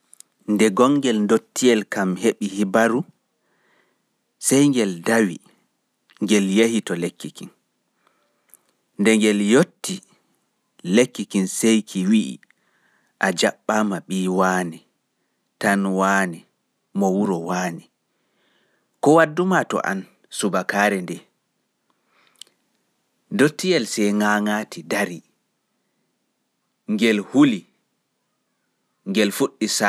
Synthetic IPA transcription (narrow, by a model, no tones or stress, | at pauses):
ndɛɡɔŋɡɛlndotːiɛlkamheɓihibaɾu | sɛjŋɡɛldawḭ | ŋɡɛljehitɔlekːikin | ndɛŋɡɛljotːi | lekːikinsejkʰiwiʔḭ | ʔad͡ʒaɓːamaɓiːwaːni | tanwaːni | mɔwuɾɔwaːni | kɔwadːumatɔ̰ʔa̰n | subakaːɾɛndɛ | dotːijɛlsɛjŋaːŋaːtidaɾi | ŋɡɛlhuli | ŋɡɛlfuɗːisa